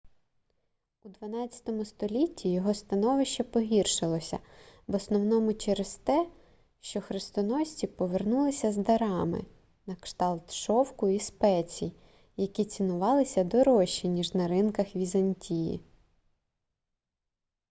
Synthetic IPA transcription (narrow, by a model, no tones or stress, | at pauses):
ud̪ʋɐnɑt͡sʲɐ̥t̪ɔmʊst̪ɔlʲitʲːijɔɦɔst̪ɐnɔʋɪʃt͡ʃɐpɔɦʲirʃɪlˠɔsʲɐ̰bɔsnɔwnɔmʊt͡ʃɛɾest̪ɛ | ʃt͡ʃɔxɾɪst̪ɔnɔsʲtʲipɔʋernulˠɪsʲɐzd̪ɐɾɑmɪ̰ | nɐkʃt̪ɑlˠt̪ʃɔwkʊispɛt͡sʲḭj | jɐkʲit͡sʲinʊʋɑlˠɪsʲɐd̪ɔɾɔʃːinʲiʒnɐɾɪnkɐxʋʲizɐnʲtʲʰijḭ